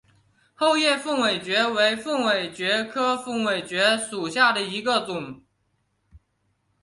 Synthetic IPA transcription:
xo˥˧ʊjɛ˥˧fə˥˩ŋwe˨˩ɪt͡ɕɥɛ˧˥we˧˥ɪfə˥˩ŋwe˨˩ɪt͡ɕɥɛ˧˥kʰɤ˥fə˥˩ŋwe˨˩ɪt͡ɕɥɛ˧˥ʂu˨˩ɕja˥˩d̪ə˩i˧˥ɡə˧t͡sʊ˨˩˦ŋ

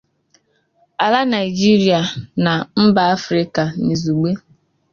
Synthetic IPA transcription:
a˨la˦na˨i˨d͡ʒi˦ɾi˦a˨na˨m̩˦ba˨a˦fɾɪ˦ka˨ni˨zu˨ɡ͡be˦

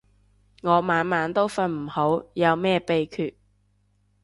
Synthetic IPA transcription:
ŋɔː˨˧maː˨˧˥nmaː˨˥nt̪o˥wfɐ˧nm̩˨˩ho˨˥wjɐ˨˧wmɛː˥pe˨˧jkʰyː˨t̚

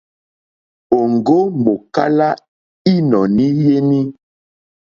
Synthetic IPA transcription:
o˨ŋɡo˦mo˨ka˦la˦ | i˦nɔ˨ni˦je˦ni˦

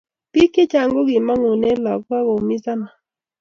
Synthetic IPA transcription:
pi˦ke˦t͡ʃa˨ŋɡo˦ɡɪ˨ma˦ŋu˨nɛ˦lɔ˨ka˦ɡo˨mi˦sa˦na˨

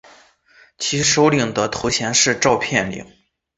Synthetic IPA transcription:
t͡ɕʰi˧˥ʂo˧˥ʊli˨˩ŋd̪ə˧t̪ʰu˧˥ɕʰjɛ˧˥nʂɻ̩˥˧ʈ͡ʂɑ˥˧ʊpʰjɛ˥˩nlḭ˨˩˦ŋ

